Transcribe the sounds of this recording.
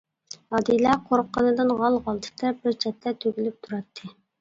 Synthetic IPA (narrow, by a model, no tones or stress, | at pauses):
ɑd̪ilæqʰoɾqːənɨd̪ɨnʁɑlˠʁɑlˠt̪ʰɨ̥t̪ɑbɪɾt͡ʃʰɛt̪ʰːɛt̪ʰøɡʲylyp̚t̪ʰuɾɑt̪ʰːɨ